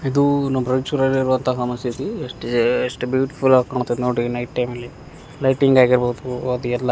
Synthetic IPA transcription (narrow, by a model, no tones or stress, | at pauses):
id̪unɐmɾɐt͡ʃuɾɐliɾuʋɐnt̪ʰɐɦɐmɐst̪ʰit̪ieʂʈeʂʈbjuːʈi̥fʰulaːɡkaːɳut̪ːɐd̪enoːɽinɐjʈ̚ʈɐjmɐlːi | lɐjʈniŋɡaːɡiɾboːd̪uɐd̪uɛlːɐ